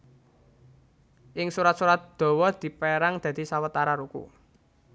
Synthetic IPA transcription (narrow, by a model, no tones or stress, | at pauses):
ʔɪŋsuɾat̪suɾat̪̚d̪̥ɔ̤wɔd̪̥i̤peɾaŋd̪̥ä̤d̪̥i̤sawət̪aɾaɾukṵ